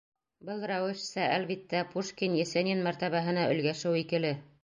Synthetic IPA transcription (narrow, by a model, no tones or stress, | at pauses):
bɤlˠrɑwɘʃsɑælβit̪ːæpuʃkʲinjæsænʲinmæɾt̪æβæɦɤ̆nɑɵ̆lɡæʃɘwikɘ̆lɘ